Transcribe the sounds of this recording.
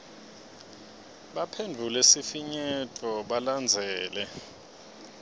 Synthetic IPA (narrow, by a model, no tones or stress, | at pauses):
ɓapʰendʱulesifiɲɛtʼɔɓaland͡zʱɛːlɛ